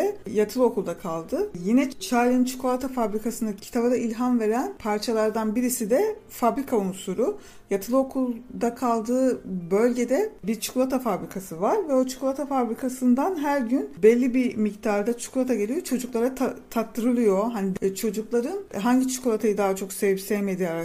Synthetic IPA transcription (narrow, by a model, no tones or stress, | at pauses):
ɛjat̪ʰɯlˠo̞kʰulˠd̪akʰalˠd̪ɯjinɛt͡ʃʰajlʲˠɯnt͡ʃʰu̥kʰolˠat̪ʰafabɾikʰasɯnacʰi̥t̪ʰabad̪ailʲɦanve̞ɾænpʰaɾt͡ʃʰalˠaɾd̪anbiɾisid̪ɛ | fabɾikʰaunsuɾu | jat̪ʰɯlˠo̞kʰulˠd̪akʰalˠd̪ɯːbø̞lʲɟe̞d̪ɛbiɾt͡ʃʰu̥kʰlˠat̪ʰafabɾikʰasɯvaɾvɛo̞t͡ʃʰu̥kʰulˠat̪ʰafabɾikʰasɯnd̪anɦæɾɟynbɛlʲːibimict̪ʰaːɾd̪at͡ʃʰu̥kʰulˠat̪ʰaɟe̞lʲijo̞t͡ʃʰo̞d͡ʒuklˠaɾat̪ʰat̪ʰat̪ːɯɾɯlˠɯjo̞ɦanit͡ʃʰo̞d͡ʒuklˠaɾɯnɦaɲɟit͡ʃʰu̥kʰolˠat̪ʰajɯd̪aːɦat͡ʃʰo̞ksevipsɛvme̞d̪ijaɾa